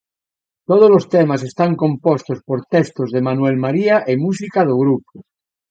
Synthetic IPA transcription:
t̪oð̞ozlost̪emas̬e̞st̪aŋkõ̞mpost̪ospoɾt̪est̪ozðemanwelmaɾiaʔemus̬ikaðoɣ̞ɾup̚o

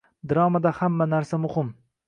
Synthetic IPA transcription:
d̪ɪɾɒmad̪ahamːanaɾsamʊhɪm

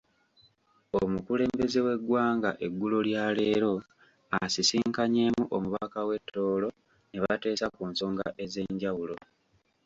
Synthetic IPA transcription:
omukule̞ːmbe̞ze̞we̞ɡwaːŋɡaʔe̞ɡːuloljale̞ːɾo̞ | asisiːŋkaɲe̞ːmuʔomuβakawe̞tʰːo̞ːlo̞ | neβate̞ːsakuːnso̞ːŋɡa̰ʔe̞ze̞ɲɟawulo̞

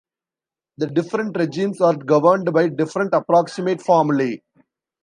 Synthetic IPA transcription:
d̪ɐɖɪfɾə̃ɳʈɾed͡ʒĩːmsʋaːɾɡɐʋəɾɳɖbaɪɖɪfɾə̃ɳʈɐpɾɔːksɪmeːʈfɔːmli

